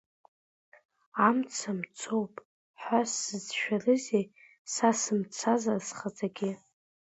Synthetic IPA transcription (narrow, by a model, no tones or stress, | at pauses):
amt͡sʰamt͡sʰowpʼ | ħasːɨzʃᶣarɨzej | sasɨmt͡sʰazasχad͡zʼaɡʲɪ